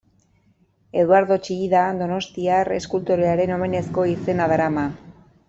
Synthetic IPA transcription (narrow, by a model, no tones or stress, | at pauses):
e̞ðwaɾðo̞t͡ʃiiðad̪o̞no̞st̪iare̞skult̪oɾe̞aɾe̞no̞me̞ne̞sko̞ise̞naðaɾama